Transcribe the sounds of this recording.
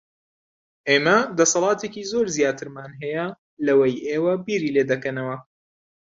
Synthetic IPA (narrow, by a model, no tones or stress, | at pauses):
ʔeːmɐd̪ɐsɐlˠɑːt̪ekiːzoːɾzijaːt̪ʰɨɾmaːnɦɛjɐ | lɐwɐjʔeːwɐbiːɾiːleːd̪ɐkɐnɐwɐ